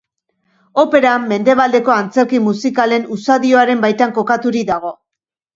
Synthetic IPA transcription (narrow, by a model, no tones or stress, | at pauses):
o̞pe̞ɾamːe̞nd̪e̞β̞ald̪e̞ko̞ant͡se̞ɾkimusikale̞nusaðio̞aɾe̞mbajt̪aŋko̞kat̪uɾid̪aɣo̞